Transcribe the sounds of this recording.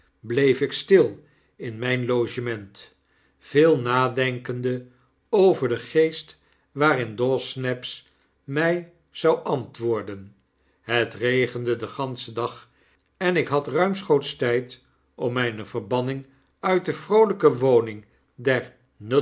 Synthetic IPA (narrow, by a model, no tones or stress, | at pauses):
blejfɪkstɪlˠ | ɪnmɛjnlowʒəmɛnt | vɪːlˠnaːdɛŋkəndə | owvəɹdəχejst | ʋaːrɪndɔsnɛps | mɛj | z̥ɑwʔɑntʋʊːɹdən | ɦətrejχəndədəχɑnsədɑχ | ɛnɪkɦɑtrœɥmsχowtstɛjt | ʔɔmːɛjnəv̥əɹbɑnɪŋ | œɥt̚dəv̥rowləkəʋownɪŋ | dɛɹ | nø